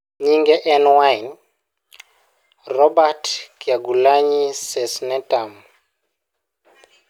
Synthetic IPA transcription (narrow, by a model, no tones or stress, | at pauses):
ɲiŋɡɛʔɛnwajn | rɔbatkjaɡulaɲisɛsnɛtʼam